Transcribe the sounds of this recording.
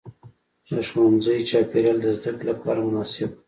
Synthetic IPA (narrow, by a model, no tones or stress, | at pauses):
d̪əʃwanzəjt͡ʃɑpeɾjɑld̪əzd̪aklapɑ̰ɾamʊnɑsɪb̚